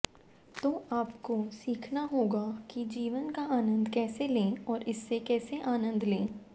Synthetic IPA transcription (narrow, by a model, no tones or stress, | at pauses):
t̪oːʔaːpkosiːkʰnaɦoːɡakid͡ʒiːʋənkaaːnə̃nd̪kɛːselẽːɔːɾɪsːekɛːseʔaːnə̃nd̪lẽː